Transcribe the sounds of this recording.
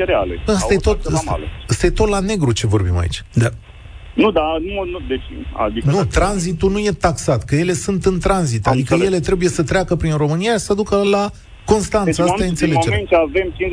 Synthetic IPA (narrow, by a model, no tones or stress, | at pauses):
ɾea̰least̪ajet̪ot̪a̰ləst̪ajet̪o̞t̪lane̞ɡɾut͡ʃe̞vo̞rbḭma̰ḭt͡ʃʲd̪a | nud̪anunud̪et͡ʃʲa̰d̪innut̪ɾanzit̪unuje̞t̪aksat̪kəje̞le̞sunt̪ɨnt̪ɾanzit̪ad̪ikəje̞le̞t̪ɾe̞buje̞sət̪ɾeakəpɾinro̞mɨnijaisad̪ukəla | ko̞nst̪ansəast̪aɨnt̪sse̞leod͡ʒement͡ʃavemt͡ʃin